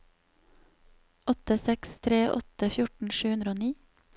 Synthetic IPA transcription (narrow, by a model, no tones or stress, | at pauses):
ɔt̪əsɛkst̪ʰɾeːʔɔ̰t̪əfjʊʈn̩ʃʉːʉnd̪ɾoːniː